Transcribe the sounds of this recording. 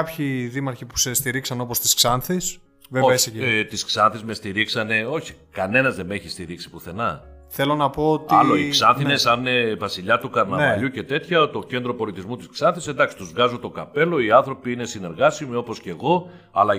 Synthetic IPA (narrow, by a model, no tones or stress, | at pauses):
ɐpçiðimɐɾçipu̥sest̪iɾiksɐno̞post̪isksɐnθis | vevost̪isksɐnθizme̞st̪iɾiksɐne̞o̞çi̥kɐne̞nɐzðeme̞çist̪iɾiksi̥puθe̞nɐθelonɐpo̞ot̪ɐloiksɐnθθine̞sɐnnevɐsiʎɐt̪ukɐɾnɐvɐʎuce̞t̪e̞t̪çɐt̪o̞ce̞nd̪ɾo̞po̞lit̪izmut̪isksɐnθisend̪ɐksi̥t̪uzvɣɐzot̪o̞kɐpe̞lo̞iɐnθɾo̞piine̞sine̞ɾɣɐsimio̞po̞sce̞ɣo̞ | ɐ̰lɐ